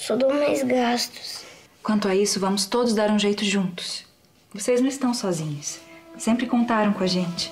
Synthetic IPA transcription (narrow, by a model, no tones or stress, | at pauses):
sod̪omãjzɡast̪ʊ̥s | kwɐ̃nt̪ʊaisʊvɐ̃mʊst̪od̪ʊzd̪aɾũʒejt̪ʊʒũnt̪ʊ̥s | vosejznɐ̃w̃ɪst̪ɐ̃w̃sɔzĩɲʊssẽmpɾɪkõnt̪aɾɐ̃w̃kõaʒẽnt͡ʃɪ̥